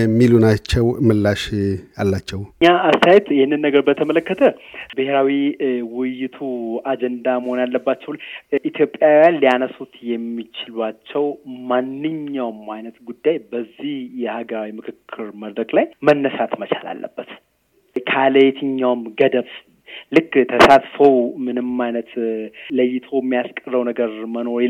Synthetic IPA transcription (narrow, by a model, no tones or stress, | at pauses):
mːilunat͡ʃːɛwmɨlːaʃalːat͡ʃːɛwɲːaast̪ʰajɛt̪jɪhɪnːɨnːəɡəɾbət̪ʰəmələkːət̪ʰəbɨheɾawiwɪjːɪt̪ʰuad͡ʒɛnd̪aməho̞njalːəbːat͡ʃːɛwlʔit̪ʰjo̞pʼːjajanlianəsut̪jɛmːit͡ʃɪlwat͡ʃːɛwmanːɨɲːawmajnət̪ɡud̪ːajbəzːihjɛhaɡəɾawimɨkʰɨkʰːɨɾməd̪ɾəkʼlajmənːəsat̪mət͡ʃʰa̰la̰lːə̰bːət̪ | kʰaləet̪ʰɨɲːawmɡəd̪əβ | lɨkːt̪ʰəsat̪fəwmɨnɨmajnət̪ləjːɪt̪ʰo̞mːijaskʼərːəwnəɡəɾməno̞ɾi